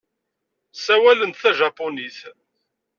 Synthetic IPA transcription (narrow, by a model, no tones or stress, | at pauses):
sæwælənt̪θæʒɑponiθ